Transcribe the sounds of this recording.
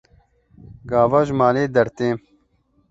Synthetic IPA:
ɡaːvaʒmaːleːd̪ɐɾt̪eː

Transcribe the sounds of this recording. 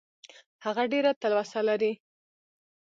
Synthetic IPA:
haɣaɖeɾat̪alwasalaɾi

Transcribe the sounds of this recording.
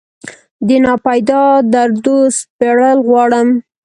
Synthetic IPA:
d̪ənɑpajd̪ɑd̪aɾd̪ospeɽəlɣwɑɽəm

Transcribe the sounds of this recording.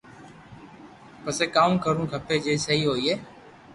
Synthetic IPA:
pəseːkaːũːkəɾũːkʰəpʰeːd͡ʒeːsəɦiːɦoːiːɦeː

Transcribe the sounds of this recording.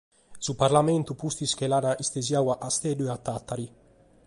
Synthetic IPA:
supaɾlament̪upust̪iskelanaʔist̪ezjawaʔast̪ed̪ueat̪ːat̪ːaɾi

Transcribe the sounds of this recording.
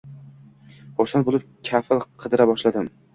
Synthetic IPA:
χoɾsanbolˠɪp̚kʲʰafɪlˠqʰɨd̪ɪɾabɒʃlad̪ɪm

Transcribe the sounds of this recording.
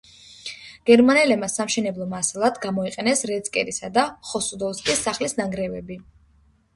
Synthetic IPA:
ɡ̥ɛɾmanɛlɛbmasamʃɛnɛblˠɔmasalˠad̪ɡamɔiqʼɛnɛsɾɛt̪skʼɛ̰ɾisad̪aχɔsud̪ɔvskʼisːaχlisnaŋɡɾɛvɛbi

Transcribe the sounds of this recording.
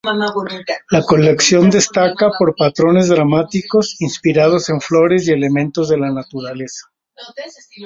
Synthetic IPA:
lako̞le̞ksjo̞nd̪e̞st̪akapo̞ɾpat̪ɾo̞ne̞zðɾamat̪iko̞sinspiɾað̞o̞se̞ɱflo̞ɾe̞sje̞le̞mẽ̞nt̪ozðe̞lanat̪uɾale̞sḁ

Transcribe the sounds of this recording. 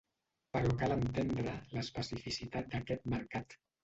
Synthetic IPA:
pəɾɔkalənt̪end̪ɾələspəsifisit̪at̪̚d̪əkɛt̪̚məɾkat̪

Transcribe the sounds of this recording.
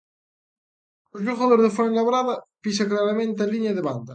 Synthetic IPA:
ozʎoɣaðoɾzðefoɾlaβɾaðɐpis̬aklaɾamẽnt̪ealiɲaðeβand̪ɐ

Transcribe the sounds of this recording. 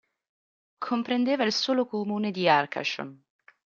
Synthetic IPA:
kʰompɾend̪eːvailsoːlokomuːned̪iarkʰa̰ʃo̰n

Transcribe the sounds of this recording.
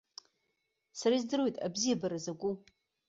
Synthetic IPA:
saɾaizdɨrwejtʼa̰bzijabaɾazaɡʷu

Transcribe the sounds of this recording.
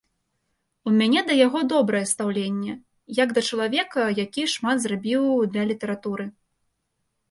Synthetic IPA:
umʲanʲɛd̪ɐjaɣɔd̪ɔbɾɐjɛst̪awlʲenʲːɛ | jaɡd̪ɐt͡ʂɐlˠavʲɛkɐjakʲiʂmad̪zrabʲiwd̪lʲɐlʲit̪ɛɾat̪uɾɨ

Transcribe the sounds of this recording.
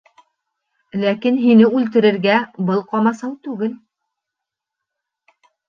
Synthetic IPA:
lækinɦinɘʉlt̪ɘ̆ɾɘ̆ɾɡæbɤlˠqɑmɑsɑwt̪ʉɡɘl

